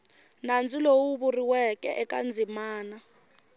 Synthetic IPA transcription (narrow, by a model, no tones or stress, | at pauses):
nand͡zilowuβuriwɛkɛ̰ʔɛkʼand͡zʱimaːna